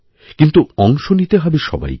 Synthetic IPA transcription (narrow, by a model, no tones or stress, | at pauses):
kint̪uɔŋʃonit̪eɦɔbeʃɔ̰ba̰j